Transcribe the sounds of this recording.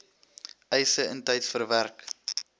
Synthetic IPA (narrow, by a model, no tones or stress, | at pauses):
ʔɛjsəəntɛjtfərværk